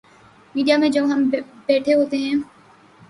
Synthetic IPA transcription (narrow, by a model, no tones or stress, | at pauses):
miːɖijamẽd͡ʒoːʋ̃ɦɐmbɛːʈʰeɦoːt̪eɦɛ̃ː